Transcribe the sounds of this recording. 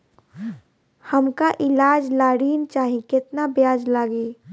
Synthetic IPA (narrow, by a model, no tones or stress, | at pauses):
hɐmkaʔɪlaːd͡ʒlaːɽiːnt͡ʃaːɦĩkɪt̪nabjaːd͡ʒlaːɡiː